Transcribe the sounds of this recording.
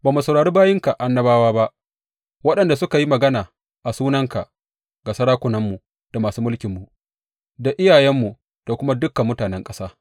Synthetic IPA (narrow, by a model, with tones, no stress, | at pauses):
baː˨mu˨sɐ˨wɽaː˨ɽiː˦baː˦jɪ˦ŋka˨ʔa˨nːɐ˦baː˦waː˦ba˦ʔ | wɐ˦ɗɐ˨nda˨sʊ˦ka˨ji˦mɐ˨ɡɐ˦naː˨ | ʔa˨suː˦nɐ˦ŋka˨ | ɡa˨sɐ˦ɾaː˦kʷʊ˨nɐ˦mːu˨ | d̥a˨maː˨suː˦mʊ˦lkʲɪ˨mːu˨ | da˨ʔɪ˦jaː˨jɛ˦mːu˨ | d̥a˨kʷʊ˦ma˦dʊ˦kːɐ˨mːʊ˦taː˨nɛ˦ŋkʼɐ˦saː˦